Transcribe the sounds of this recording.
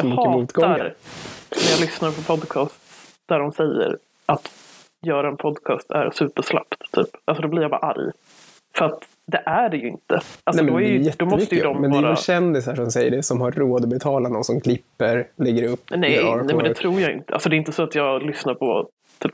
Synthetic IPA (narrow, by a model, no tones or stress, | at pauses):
ɑmʏːəmuːt̪ɡɔaɾnæjɑlʏsnaɾpʰɔpʰɔd̪kʰɑːst̪ | d̪̥æɖɔmsɛjːə̰ɾ | ʔat̪ | jœːɾaɛnpʰɔd̪kʰɑ̰ːst̪ʰæ̰ɾsʉ̟ːpəʂla̰pt̪t̪ʰːy̰ːpʔalsɔd̪ɔblɪɾjɑbɑ̰ɾa̰ʔa̰ɾj | fəɾat̪ | d̪ɛʔæɖɛjɵɪ̰nt̪əʔalsɛɔmɔæɾjjɛtd̪ɔmːɔmsʏt̪əjəd̪ɔmvmɛnd̪ɛːjɾaɕɛnd̪ɪsaʂɔmsɛjːəɖɛsɔmhaɾːoːd̪ɔbɛt̪ʰɑːlanɔnsɔmkʰlɪpːəɾlɛɡːəɾɵpːnɛɾnɛmnd̪ɛɛt̪ʰɾuːɾjaɪ̰nt̪əʔalsɔd̪ɛɪɪnt̪əsɔat̪jɑːɡlʏsnaɾpʰɔ | t̪ʰyːp